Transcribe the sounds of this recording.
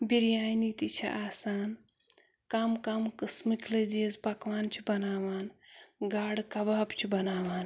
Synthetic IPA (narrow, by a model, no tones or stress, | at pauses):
biɾjaːjnit̪it͡ʃʰɐ̰ʔaːsaːn | kɐmkɐmkɨsmikʰlɐd͡ʒiɐzpɐkʋaːnt͡ʃʰibɐnaːʋaːnɡaːɽkɐbaːbt͡ʃʰibɐnaːʋaːn